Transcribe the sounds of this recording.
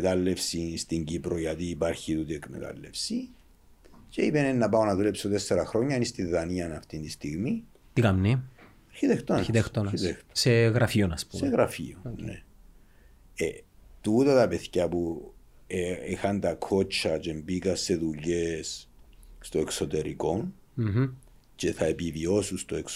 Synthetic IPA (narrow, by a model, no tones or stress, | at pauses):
t̪ɐlːe̞fsist̪iɲɟipɾoʝɐt̪iːpaɾçit̪ut̪iekmḛt̪ɐ̰lːe̞fsi | ceipenenːɐpɐonɐðulepsot̪esːeɾɐxɾo̞ɲːɐinist̪iðːɐniɐnɐft̪int̪ist̪iɣmi | t̪ikɐmni | ɐɾçit̪ext̪onit̪ext̪oit̪ext̪o̥seɣɾɐfionɐspuseɣɾɐfḭonne | et̪ut̪ɐt̪ɐpeθçɐpu | eixɐnt̪ɐkʰo̞t͡ʃːɐt͡ʃe̞mbikɐsːe̞ðuʎesː | t̪o̞ekso̞t̪e̞ɾḭko̞n | t͡ʃeθɐepivio̞sust̪oeks